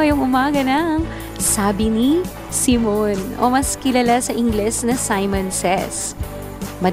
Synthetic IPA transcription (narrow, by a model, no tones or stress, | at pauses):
ɐjʊŋʊmaːɡɐnɐŋ | saːbɪni | sɪmonʔo̰mɐskɪlalasɐʔɪŋɡlɛsnɐsajmɐnsɛ̰s | mɐ